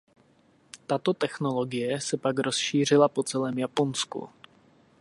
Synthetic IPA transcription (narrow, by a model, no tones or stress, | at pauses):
t̪at̪o̞t̪ɛxno̞lo̞ɡɪjɛsɛpakɾo̞sʃiːr̝ɪlapo̞t͡sɛlɛːmjapo̞nskṵ